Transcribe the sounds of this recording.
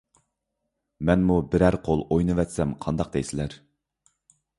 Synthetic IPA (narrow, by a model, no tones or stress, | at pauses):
mɛnmubɪɾæɾqʰolˠojnɨvɛt̪sɛmqʰɑnd̪ɑq̚d̪ɛjsɪlæɾ